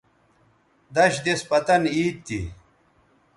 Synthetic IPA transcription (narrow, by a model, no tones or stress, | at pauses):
d̪ɐɕd̪espɐt̪ɐniːt̪ːḭ